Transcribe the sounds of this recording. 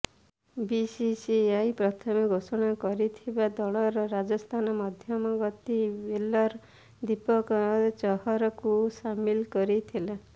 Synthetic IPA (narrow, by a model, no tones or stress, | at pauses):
bisisiajpɾɔt̪ʰɔmiɡʱosɔɽ̃akɔɾit̪ʰibad̪ɔɭɔɾɔɾad͡ʒɔst̪ʰanɔmɔd̪ʱjɔmɔɡɔt̪ibelɔɾ | d̪ipɔkɔt͡ʃɔhɔɾɔkusamilkɔɾit̪ʰila